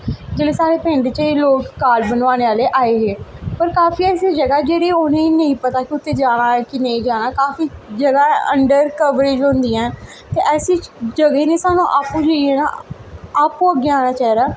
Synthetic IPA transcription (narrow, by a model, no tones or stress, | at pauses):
d͡ʒeːleːsaːɾeːpẽːɳɖt͡ʃəiːloːkːaːɾbənʋaːɽ̃eːaːleːʔaːeːɦeːpəɾkaːfiːɛːsiːd͡ʒəɡaːd͡ʒeːɽeːʊnẽːnə̃ĩpət̪aːkɪʊt̪ːeːd͡ʒaːɽ̃aːkɪnə̃ĩːd͡ʒaːɽ̃aːkaːfiːd͡ʒəɡaːə̰ɳɖəɾkəʋɾɪd͡ʒɦõnd̪iːɛ̃ː | t̪eːʔɛːsiːd͡ʒəɡeːnẽːsaːnũːʔaːpũːd͡ʒəiɛːna̰ | aːpũːəɡːeaːñaːt͡ʃɛːɾaː